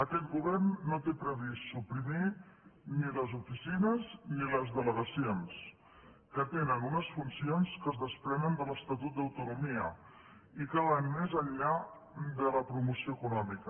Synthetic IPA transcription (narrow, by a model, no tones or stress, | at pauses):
əkɛt̪̚ɡuβɛrnːot̪epɾəβisːupɾiminiləzufisinəzniləzðələɣəsions | kət̪enəlɣunəsfunsionskəzðəspɾɛnənd̪ələst̪at̪ut̪̚d̪əwt̪unumiə | ikaβanmezəʎːa | d̪ələpɾumusioəkunɔmikə